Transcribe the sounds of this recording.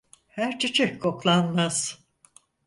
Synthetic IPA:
hæɾt͡ʃʰet͡ʃʰɛckʰo̞klˠanmaz̥

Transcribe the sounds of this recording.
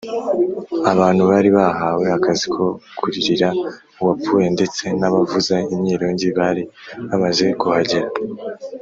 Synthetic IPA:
aβaːn̥huβaːɾiβahawe̞akazikʰo̞kʰuɾiɾiɾa | uwapuje̞nde̞t͡se̞naβavuzaimɲiːɾoːɲɟiβaːɾiβamaze̞kuhaɟeɾa

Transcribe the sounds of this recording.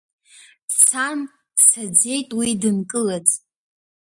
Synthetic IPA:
d̥t͡sʰam | d̥sad͡ze̞jtʼwidɨnkʼɨlad͡zʼ

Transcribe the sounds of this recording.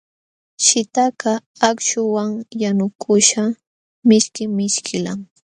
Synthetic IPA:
ʃɪt̪aka | akʃʊwaŋjanʊkʰʊʃa | mɪʃkɪmɪʃkʰɪlaŋ

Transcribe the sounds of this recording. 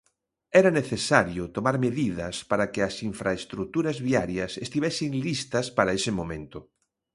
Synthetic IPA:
ɛɾɐneθesaɾjʊt̪omaɾmeðið̞ɐspaɾɐkɪɐsiɱfɾaest̪ɾut̪uɾɐzβiaɾjɐsest̪iβɛsɪŋlist̪ɐspaɾaesɪmõmẽnt̪ʊ

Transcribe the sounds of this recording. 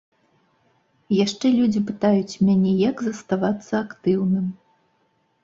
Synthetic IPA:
jaʂt͡ʂɛlʲud͡zʲipɨt̪ajut͡sʲmʲanʲɛjɐɡzɐst̪avat̪sːɐːkt̪ɨwnɨm

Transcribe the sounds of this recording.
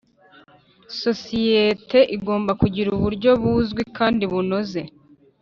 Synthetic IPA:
so̞sijetʰe̞ʔiɡo̞ːmbakuɟiɾuβuɾɟo̞βuːzɡwikʰaːndiβuno̞ze̞

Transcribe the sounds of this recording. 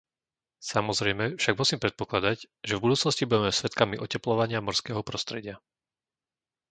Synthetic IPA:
samɔzɾɛjmɛfʃaɡmusiːmpɾɛt̪̚pɔklad̪aɟ | ʒɛvbud̪uːt͡snɔscibuɟɛmɛsʋɛt̪kamiʔɔcɛplɔʋaɲɪamɔɾskɛːɦɔpɾɔst̪ɾɛɟɪa

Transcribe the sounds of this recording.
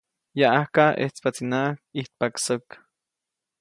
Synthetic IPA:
jaʔahkaʔḛht͡spat͡sinakiht̪̚paksok

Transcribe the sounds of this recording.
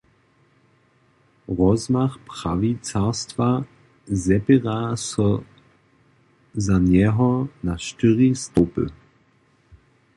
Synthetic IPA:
ʁɔzmaχpʁ̥avit͡sastv̥a | zɛpeʁasɔ | zanjɛɦɔnaʃtyʁistopə̰

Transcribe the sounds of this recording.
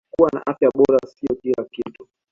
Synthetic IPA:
kuwana̰ʔafjaɓɔɾasiɔkilakitu

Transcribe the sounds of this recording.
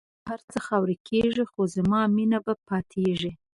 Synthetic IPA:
haɾt͡səxɑwɾikʰeʐixozamɑminabapɑt̪ʰeʐi

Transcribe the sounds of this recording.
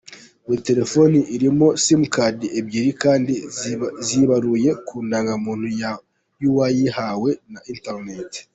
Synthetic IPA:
miite̞ɾe̞fo̞niʔiɾimo̞simukʰadiʔebɟiɾikaːndiziβaɾuje̞kʰuːndaːŋɡamuːn̥huja | juwajihawe̞nainteɾnet

